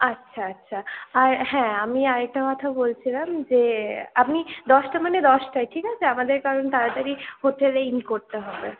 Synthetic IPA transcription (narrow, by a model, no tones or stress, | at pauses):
atːʃʰaːtːʃʰaaɾhɛ̃amiaɾɛk̚ʈakɔt̪ʰabolt͡ɕʰilamd͡ʑeapmid̪ɔʃʈamaned̪ɔʃʈajʈʰikat͡ɕʰeamad̪eɾkaɾont̪aɾat̪aɾihoʈeleinkoɾt̪eɦɔbe